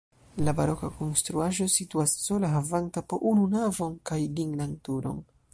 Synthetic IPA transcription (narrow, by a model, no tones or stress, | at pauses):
labaɾo̞kakonst̪ɾuaʒo̞situasːolaɦavantapoʔununavo̞nkajdiŋɡnantuɾo̰n